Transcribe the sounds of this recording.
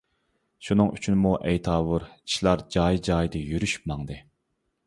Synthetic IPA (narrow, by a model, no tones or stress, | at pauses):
ʃunɨŋyt͡ʃʰynmuʔɛjt̪ʰɑːwuɾi̥ʃlˠɑɾd͡ʒɑːjid͡ʒɑːjd̪ɨjyɾyʃy̥pmɑŋd̪ɨ